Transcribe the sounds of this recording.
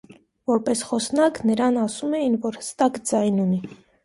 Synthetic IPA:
vɔɾpɛsχɔsnɑknəɾɑnɑsumɛjinvɔɾhə̥st̪ɑkd͡zɑjnuni

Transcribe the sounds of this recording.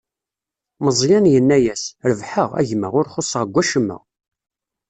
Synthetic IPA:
məzˤjænjənːæjæsɾəvħəʁæ̰ʝmə̰ʁʊɾχosˤəʁəɡʷːæʃəmːə̰ʁ

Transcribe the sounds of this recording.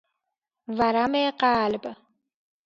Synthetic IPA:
vaɾameqaːlb

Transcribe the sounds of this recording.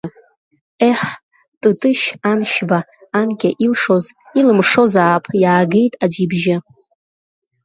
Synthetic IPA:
eħ | tʼɨtʼɨʃanʃbaːnɡʲʼaʔilʂo̞z | ilɨmʂo̞zaːpʰjaːɡe̞jtʼad͡ʒibʒɪ

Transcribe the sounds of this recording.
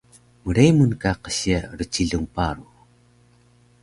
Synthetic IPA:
məɾejmunkaqəɕiaɾət͡ɕiɮuŋpaɾu

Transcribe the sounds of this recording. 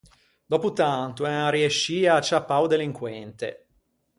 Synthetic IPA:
d̪ɔput̪ant̪uɛarieʃːiːat͡ʃːapːawd̪eliŋkwɛnt̪ḛ

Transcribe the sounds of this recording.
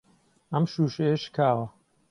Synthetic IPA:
ɐmʃuːʃejeʃkʰaːwɐ

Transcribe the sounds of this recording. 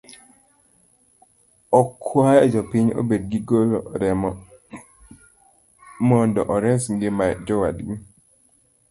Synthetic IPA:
ɔkʰwajɛd͡ʒɔpiɲo̰bed̚ɡiɡolo̰ɾɛ | mɔndɔʔɔɾɛsŋɡɪmad͡ʒɔwa̰dɡi

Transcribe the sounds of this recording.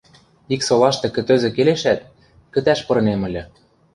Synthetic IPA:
iksolɑʃt̪ɤ̆kɘ̆t̪ø̆zɘ̆keleʃæt̪̚ | kə̆t̪æʃpɤ̆ɾɤ̆nemɤ̆lʲɘ̆

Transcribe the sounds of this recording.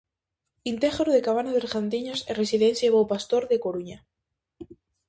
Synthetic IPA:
int̪exɾoðekaβ̞anaðeɾxant̪̬iɲoseresiðenθjaβowpast̪oɾðekoɾuɲa

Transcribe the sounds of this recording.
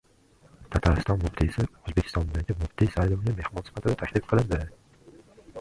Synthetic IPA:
t̪ʰat̪ʰaɾɪst̪ɒnmʊft̪ʰisɪozbekʲʰɪ̥st̪ɒnd̪aɡʲɪmʊft̪ijsajlˠɨmɪɡʲame̞hmɒnsɪ̥fat̪ʰɪd̪at̪ʰakʲlɪfqʰɨlˠɪnd̪ɪ

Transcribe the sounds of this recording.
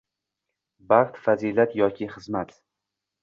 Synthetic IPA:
baʁt̪fazilat̪jɒkʲʰɪχɨzmat̪

